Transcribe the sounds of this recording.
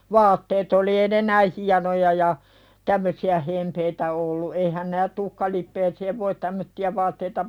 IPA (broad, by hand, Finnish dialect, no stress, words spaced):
ʋɑːtːeːt oli eːĭ ne næi hiɑnojɑ jɑ tæmːøsiæ hempeitæ olːu eihæn næːt tuhkɑlipːeːseːʋ ʋoit tæmːøtːiæ ʋɑːtːeitɑ